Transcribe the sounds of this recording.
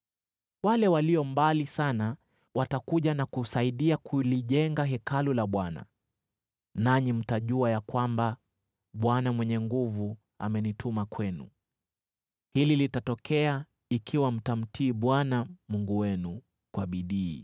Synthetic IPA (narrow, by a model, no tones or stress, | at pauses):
walɛwaliɔmbalisana | watakuʄanakusaiɗiakʰuliʄɛŋɡaɦɛkalulaɓwana̰ | naɲim̩taʄuajakwamba | ɓwanamwɛɲɛŋɡuvu | a̰mɛnitʰumakwɛnṵ | hililitatɔkʰɛa | ikʰiwam̩tam̩tiːɓwanamuŋɡuwɛnu | kwaɓiɗiː